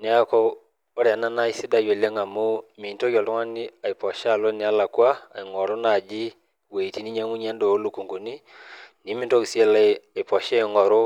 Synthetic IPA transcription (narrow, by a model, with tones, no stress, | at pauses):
nɛ˨˦a˦ko˦ | o˦ɾa˨na˦na˦i˦si˦da˦jo˨le˦ŋa˨mu˦mi˨nto˦kɔ˨ltʊ˦ŋa˦ni˦a˨i˨pɔ˨ʃa˦˨lo˦ni˨a˦la˨kwa˦a̰˨i˨ŋɔ˨ɾʊ˦na˨d͡ʒi˦ | we˨i˨ti˦ni˦ɲa˦ŋu˦ɲ˦a˦ndo˨˦lu˦ku˨ŋɡu˨ni˦ni˨˦mɪ˦nto˦ki˨si˦e˦la˦ja˨i˨pɔ˨ʃe˦˨ŋɔ˨ɾʊ˦